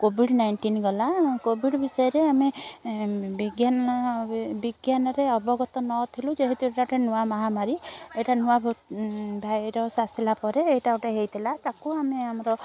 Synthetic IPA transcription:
kobʱiɽnajɳʈinɡɔlakobʱiɽbisɔjɔɾeame | biɡjan | biɡjanɔɾeɔbɔɡɔt̪ɔnɔt̪ʰilũd͡ʒeɦit̪ueʈaʈenuwamaɦamaɾieʈanuab | bʱajɾɔsasilapɔɾeːʈauʈeɦejt̪ʰilat̪akuameamɔɾɔ

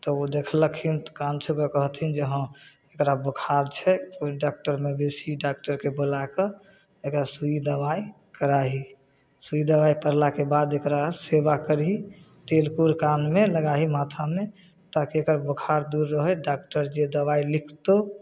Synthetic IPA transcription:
t̪ɔod̪ekʰləkimt̪kant͡ʃʰukekəɦət̪ɦind͡ʒəɦə̃ | ekɾabəkʰaɾt͡ʃʰɛɖak̚ʈəɾmebesiɖak̚ʈəɾkebolake | ekɾasuid̪əbai | kəɾaɦi | suid̪əbaipəɾlakebad̪ekɾasebakəɾi | t̪elkuɾkanmeləɡaɦimat̪ʰame | t̪akiekɾbəkʰaɾd̪uɾːəɦəɖak̚ʈəɾd͡ʒed̪əʋailikʰt̪o

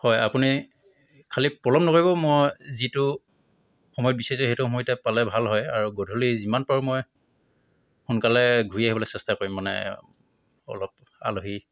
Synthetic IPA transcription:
hɔjapuni | kʰalipɹɔlɔmnɔkoɹibɔmɔjzitʊ | xɔmɔjɔt̚bisezɔhetuxɔmɔjtɛpalɛbʱalɦɔja̰ɹuɡodʱolizimanpɔɹmɔj | xunkalɛɡʱuiaɦibɔlɛsɛstakoɹimːanɛ̰ | ɔ̰lɔp̚ | a̰loɦi

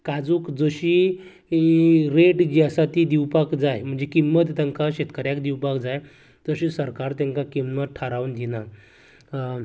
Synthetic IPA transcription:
kad͡zuːkd͡zəɕi | ɾeʈd͡ʑiəsat̪id̪iwpakd͡zajm̤əɳd͡zekimːət̪t̪aŋkaɕet̪kəɾjakd̪iwpakd͡zaj | d͡zəɕiːsəɾkaɾt̪jaŋkakimməʈʰaɾaʋnd̪ʱina

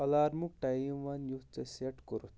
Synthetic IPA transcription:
ɐlaːɾmuk̚ʈajmʋɐnjut͡seseʈkoɾut̪

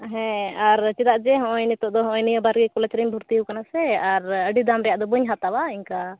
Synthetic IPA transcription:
ɦɛ̃aɾt͡ʃɛd̪aʔd͡ʒɛɦɔ̃ʔɔjnɛt̪ɔʔd̪ɔɦɔ̃ʔɔjnijəbaɾɡɛkulat͡ʃɾiɲbʱuɾt̪iəwkanasɛaɾəɖid̪amɾɛjaʔd̪ɔbəɲɦat̪abaiɲka

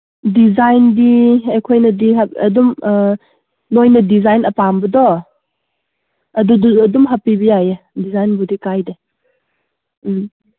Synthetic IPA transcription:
dizajndiɐjkʰojnɐdiaɐdum | nojnɐdizajnɐpambɐdɔ | ɐduduɐdumɦapibijaje | dizajnbudikajde

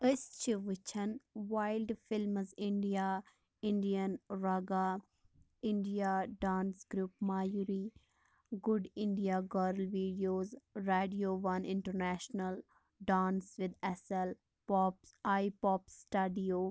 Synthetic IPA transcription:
ɪst͡ʃʰʋɪt͡ʃʰənʋaːɪlɖfɪlməzɪ̃ɳɖijaː | ɪ̃ɳɖijənɾaːɡaː | ɪ̃ɳɖijaɖãːnsɡɾuːpmaːjuɾi | ɡʊɖɪ̃ɳɖijaɡəːɾlʋiːɖijoːzɾeːɖioːʋɐnɪ̃ɳʈəɾnɛːʃnəl | ɖãːnsʋɪd̪ɛsəl | pɔːpsaːipɔːpsʈɐɖioː

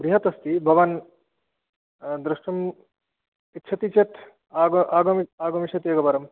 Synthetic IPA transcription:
bɾiɦɐt̪ɐst̪ibʱɐʋɐn | d̪ɾɪʂʈɐm | it̪ːt͡ʃʰɐt̪it͡ʃet̪ʰ | aːɡaːɡɐmaːɡɐmit͡ʃʰɐt̪jeːɡɐpɐɾɐm

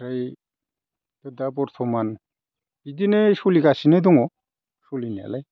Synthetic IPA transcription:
ɾaj | d̪̥ɯd̪abɔɾt̪ʰɔman | bid̪inesuliɡasined̪ɔŋɔ | solinia̰laj

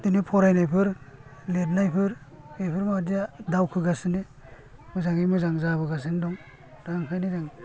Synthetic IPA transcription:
tɯnipʰɔɾajnajpʰɯɾlet̚najpʰɯɾ | ajpʰɯɾmadijadawkʰɯɡasɯne | mɯzaŋimɯzaŋzabɯɡas̬ɯndɔŋ | ɾaŋkʰajnizaŋ

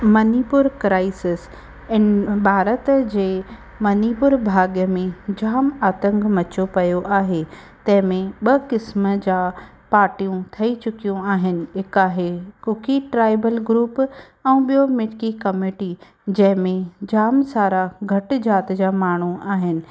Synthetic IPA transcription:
mɐniːpʊɾkɾaːɪsɪs | ɪnbʱaːɾət̪d͡ʑeː | mɐnipʊɾbʱaːɡijəmẽd͡ʑaːmaːt̪ə̃ŋɡmɐt͡ɕopɐjoʔaːɦe | t̪ɐ̃ɦɪ̃mẽɓɐkɪsmə̆d͡ʑaː | paːɾʈijũt̪ʰɐit͡ɕʊkijũaːɦɪnɪ̆ɦɪkaːɦekʊkʰiʈɾaːɪbəlɡɾuːp | ɛ̃ːɓijomɪʈkikɐmiːʈi | d͡ʑɐ̃ɦɪ̃mẽd͡ʑaːmsaːɾaɡʱɐʈɪd͡ʑaːt̪d͡ʑaːmaːɳ̤̃uaːɦɪnɪ̆

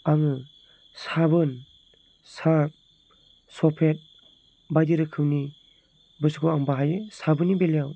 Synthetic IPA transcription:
aŋɯ | sabɯn | saɾp̚ | sɔpʰet̚ | bajdiɾɯkʰɯwni | bɯsɡʰuaŋbaɦajesabɯnibelijaw

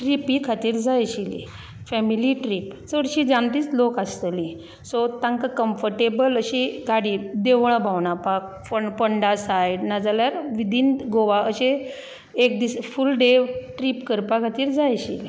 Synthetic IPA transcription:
ʈɾipikʰat̪iːɾd͡zajɕilḭ | fɛmiliʈɾiːpt͡səɽɕiːd͡zant̪iːt͡slokast̪əli | sot̪ãŋkakəmfəɾʈebələɕiɡʱaɽiːd̪eʋɭ̃abʱawɳapak̚ | fəpəɳɖasajnad͡zaljaɾʋid̪ʱiːnɡoʋaəɕe | ek̚d̪isfulɖeʈɾiːpkəɾpakʰat̪iːɾd͡zajɕili

